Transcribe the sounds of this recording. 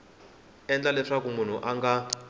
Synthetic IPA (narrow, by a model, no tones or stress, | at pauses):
ɛnd͡ɮalɛʂakumun̤uʔaŋɡa